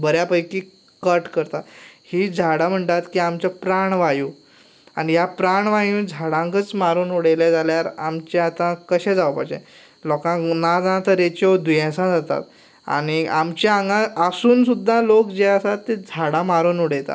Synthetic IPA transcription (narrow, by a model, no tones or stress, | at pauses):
bəɾjapəjki | kəɾʈkəɾt̪at̪hiːd͡zʱaɽam̤əɳʈ̪at̪kiːamt͡ɕapɾaɳʋajũː | añijapɾaɳʋajũːd͡zʱaɽãŋkət͡smaɾuːnuɽeljad͡zaljaɾa̰mt͡ɕɛat̪ãkəɕɛ̃d͡zaʋəpad͡ʑḛ̃ | lɔkãnad͡zat̪əɾet͡ɕɔd̪ujɛ̃sãd͡zat̪a̰t̪ | a̰ɽ̃iamt͡ɕaaŋɡãəsuːnsud̪ʱːãlokd͡ʑeəsat̪ːed͡zʱaɽãmaɾuːnoɽet̪a̰